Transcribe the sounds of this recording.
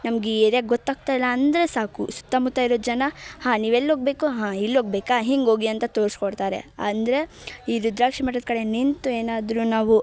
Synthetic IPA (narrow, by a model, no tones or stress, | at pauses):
nɐmɡeeɾjaːɡɔt̪ːaːɡ̚t̪aːilːɐːnd̪ɾesaːkṵsu̥t̪ːamut̪ːaːiɾoːd̪d͡ʒɐnɐhãːniːʋelːoːɡbe̞ːkuɦãːilːɦoːɡ̚beːkaɦiŋɡo̞ːɡiɐnt̪ɐt̪oːɾskoɽt̪aːɾe̞̰ɐ̰nd̪ɐɾe̞ | iːɾud̪ɾaːkʂimɐʈːɐd̪̚kɐɽe̞nint̪ueːnaːd̪ɾunaːʋu